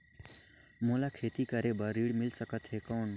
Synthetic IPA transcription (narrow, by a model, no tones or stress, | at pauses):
molakʰeːt̪ikəɾebəɾːiːɽmɪlsəkət̪ɦekɔːn